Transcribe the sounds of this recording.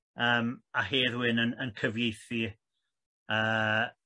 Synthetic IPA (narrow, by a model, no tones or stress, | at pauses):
əːmaɦeːðwɪnənənkʰəvjejθi | əː